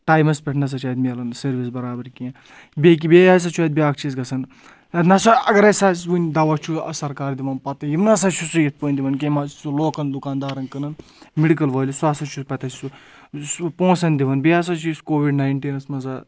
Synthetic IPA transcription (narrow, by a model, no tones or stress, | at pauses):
ʈaːjmɐspʲɛʈʰnɐs̬ɐt͡ʃʰaːt̪mʲːlɐnsɐɾʋis̬bɐɾaːbɐɾkiẽ | bʲek̬ibʲejaːs̬ɐt͡ʃʰuɐt̪̚bʲiaːkt͡ʃʰisɡɐsɐn | ɐt̪nɐsɐɐɡɐɾɐsaːsʋunʲd̪ɐʋat͡ʃʰuɐ̰sɐɾkaːɾd̪iʋɐnpɐt̪ɐjimnɐsat͡ʃʰusujɐt̪̚ʰpəːnʲd̪iʋɐnkemḁsuloːkɐnd̪ukaːnd̪aːɾɐnkɐnɐn | miɽikɐlʋɐːlʲisuaːsɐt͡ʃʰuspʲɐt̪ɐt͡ʃi̥su | põːsɐnʲd̪iʋɐnbʲeaːs̬ɐt͡ʃʰiskoːʋiɖnaːjɳʈiːnɐsmɐza